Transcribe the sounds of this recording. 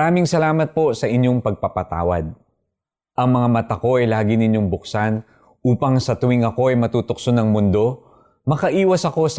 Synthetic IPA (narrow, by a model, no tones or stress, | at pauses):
mɾaːmɪŋsɐlaːmɐt̪̚po̞sɐʔɪɲjoŋpɐɡ̚pɐpɐt̪a̰ːwɐ̰d̪̚ | ʔɐŋmɐŋamɐt̪ɐko̞ʔɛlaːɡɪnɪɲjo̞ŋbʊksan | ʔuːpɐŋsɐt̪ʊwɪŋɐko̞ʔɛjmɐt̪uːt̪ʊk̚sonɐŋmʊnd̪o̞ | mɐkɐʔiːwɐsɐko̞s